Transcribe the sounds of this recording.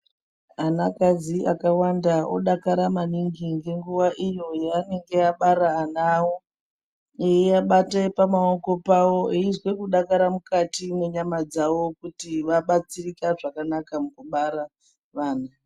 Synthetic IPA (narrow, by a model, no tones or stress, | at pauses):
anakaziakawandao̰ɗakaɾamaniŋɡiŋɡe̞ŋɡuʋaʔijo̞jeane̞ŋɡe̞aɓaɾaːnaːwo | ejiaɓatapamaoko̞pawo̞iizwe̞kuɗakaɾamukatimeɲamad͡zawo̞kutiʋaɓat͡sirikaʐakanakamukuɓaɾa | ʋaːna